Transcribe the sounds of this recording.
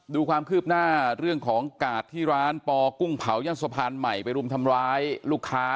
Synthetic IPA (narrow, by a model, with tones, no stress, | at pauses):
duː˧kʰwaː˧mkʰɯː˥˩p̚naː˥˩ɾɯ˥˩əŋkʰɔː˩˦ŋkaː˨˩t̪ʰːiː˥˩ɾaː˦˥npɔː˧ku˥˩ŋpʰa˩˦wja˧˩ŋsa˧pʰaː˧nma˨˩jpa˧jɾu˧˥əmt̪ʰa˧mɾaː˦˥jluː˥˩kʰːaː˦˥